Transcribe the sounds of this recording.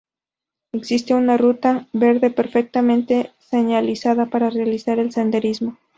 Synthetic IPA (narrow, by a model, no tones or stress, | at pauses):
e̞ksist̪e̞unarut̪aβe̞ɾðe̞pe̞ɾfek̚t̪amẽ̞nt̪e̞se̞ɲalisaðapaɾarealisaɾe̞lsend̪e̞ɾizmo̞